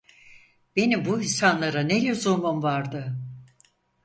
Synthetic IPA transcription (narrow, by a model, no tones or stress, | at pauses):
b̥e̞nimbuisanlˠaɾanɛlʲyzomomvaɾd̪ɯ